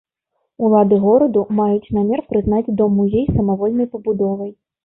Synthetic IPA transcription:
ulˠad̪ɨɣɔɾɐd̪umajut͡sʲnamʲɛrpɾɨzn̪ad͡zʲd̪ɔmujejsɐmɐvɔlʲnɐjpɐbud̪ɔvɐj

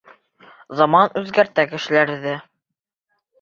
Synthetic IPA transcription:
zɑmɑnʉðɡæɾt̪ækɘ̆ʃɘ̆læɾðɘ

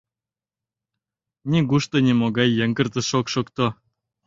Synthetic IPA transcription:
nʲiɡuʃt̪ɤnʲemoɣɑjːeŋɡə̆rt̪ə̆ʃokʃokt̪o

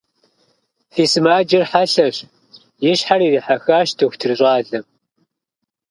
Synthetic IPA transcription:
fiːsɨmaːd͡ʒɪrħaɬɐɕ | jɪɕħariːriːħaxaːʃtʰɨxʷtʰɨrɕʷʼaːɮɐm

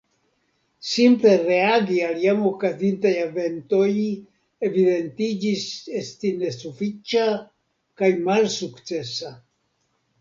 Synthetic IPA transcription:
simple̞reaɡialjamokazint̪ajave̞nt̪o̞j | evide̞nt̪id͡ʒise̞st̪ine̞sufit͡ʃa | kajmalsukt͡se̞sa

